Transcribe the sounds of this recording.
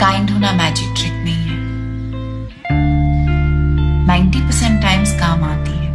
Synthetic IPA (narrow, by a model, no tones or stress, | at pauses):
kaːɪ̃ɳɖɦoːnamɛːd͡ʒɪk̚ʈɾɪk̚nɐɦĩɦɛː | nãɪ̃ɳʈipəɾsɛ̃ɳʈːaːɪmzkaːmaːt̪iɦɛː